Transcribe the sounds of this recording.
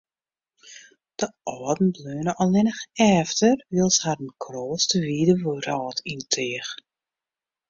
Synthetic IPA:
d̥əʔɔːdn̩bløːnəʔɔlˠnɪnəxɛːftərʋilˠsharənkʰroːstəʋiːdəʋuɾɔːtʰintʰeəx

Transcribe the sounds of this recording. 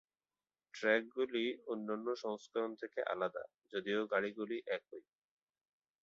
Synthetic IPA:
ʈɾɛk̚ɡulionːanːoʃɔŋskaɾont̪ʰekeʔa̰lad̪a̰ | d͡ʑod̪ioɡaɽiɡuliʔɛkɦoj

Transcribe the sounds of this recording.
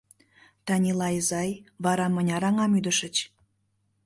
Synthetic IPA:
t̪ɑnʲilˠɑjzɑjβɑɾɑmənʲɑɾɑŋɑmyd̪əʃə̆t͡ɕ

